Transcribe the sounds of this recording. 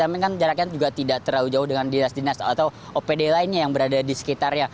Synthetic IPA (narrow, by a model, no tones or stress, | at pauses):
ampɪŋkand͡ʒaɾakiand͡ʒuɡaʔt̪idaʔt̪əɾaud͡ʒaʊhdəŋandinasdinasat̪awʔopedelaɪnɲajaŋbəɾadadisə̥kit̪arɲa